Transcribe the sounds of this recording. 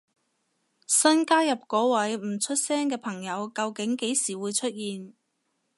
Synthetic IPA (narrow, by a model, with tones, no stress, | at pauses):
sɐ˥nkaː˥jɐ˨p̚kɔː˨˥wɐ˨˥jm̩˨˩t͡ʃʰɵ˥t̚sɛː˥ŋkɛː˧pʰɐ˨˩ŋjɐ˨˧wkɐ˨˧wkɪ˨˥ŋke˨˥jsiː˨˩wuː˨˧jt͡ʃʰɵ˥t̚jiː˨n